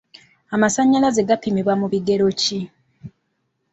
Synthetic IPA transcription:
amasaɲːalaze̞ɡapimiβwamuβiɡe̞ɾo̞ci

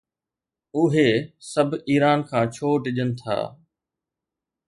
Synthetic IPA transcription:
ʊɦesɐbʱiːɾaːnkʰãːt͡ɕʰoːɖɪʄənɪ̆t̪ʰa̰ː

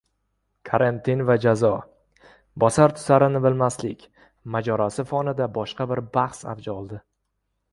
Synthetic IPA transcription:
kʰoɾent̪ʰɪnvad͡ʒazɒ | bɒsaɾt̪ʰʊ̥saɾɪnɪbɪlmaslɪkʲ | mad͡ʒɒɾasɪfɒnɪd̪abɒʃqɑbɪɾbahsa̰vd͡ʒaɒlˠd̪ɪ

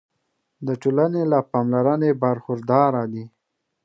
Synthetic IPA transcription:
d̪əʈolanelapɑmlaɾanebaɾxʊɾd̪ɑɾad̪i

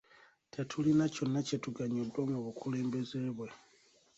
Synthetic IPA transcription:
tʰatʰulinaconacetuɡaɲodwoŋɡoβukʰuleːmbezeβwe

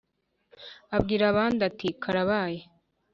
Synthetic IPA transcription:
abɡiɾaβaːnd̪at̪ikʰaɾaβaːje

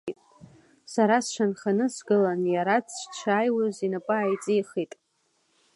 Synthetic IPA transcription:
tʼ | saɾasʃʷanχanɨsɡɨlanjaɾat͡sʰt͡ʃʷʰaːjwazinapʼɨaːjt͡sʼijχitʼ

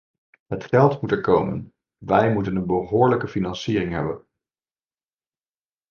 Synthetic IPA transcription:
ɦətχɛlˠtmutɛɹkowmə̰n | ʋɛjmutənənbəɦʊːɹləkəfinɑnsiːrɪŋɦɛ̰bən

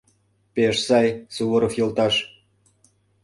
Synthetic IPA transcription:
peʃsɑjsuβoɾɤ̆fjŏlt̪ɑʃ

